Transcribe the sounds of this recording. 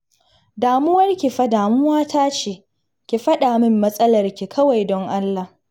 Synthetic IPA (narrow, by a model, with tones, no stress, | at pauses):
daː˨mʊ˦wɐ˦rkʲi˨ɸɐ˦daː˨mʊ˦waː˦taː˦t͡ʃeː˦˨ | kʲi˨ɸɐ˦ɗaː˨mɪ˦mːɐ˦sʼɐ˦lɐ˨rkʲi˨kʰɐ˦wa˨jdɔ˦ŋʔa˦lːaː˨